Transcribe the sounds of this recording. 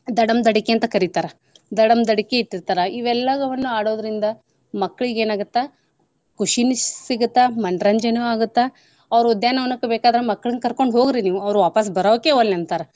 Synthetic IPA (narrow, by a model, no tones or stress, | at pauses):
d̪ɐɽɐmd̪ɐɽikeɐnt̪ɐkɐɾit̪aːɾɐ | d̪ɐɽɐmd̪ɐɽikeiʈːiɾt̪aːɾɐiʋɛlːɐɡɐʋɐnːuaːɽoːd̪ɐɾind̪ɐ | mɐkːɐɭiɡeːnaːɡut̪ːe | kuʃinisiɡut̪ːamɐɳɖɾɐɲd͡ʒɐnuaːɡut̪ːe | ɐʋɾud̪jaːnɐʋɐnɐkːebeːkaːd̪ɾemɐkːɐɭɐnkɐɾko̞ɳɖɦo̞ːɡiɾiniːʋuɐʋɾuʋaːpɐs̬bɐɾoːkːeʋɐlɐnt̪aːɾɐ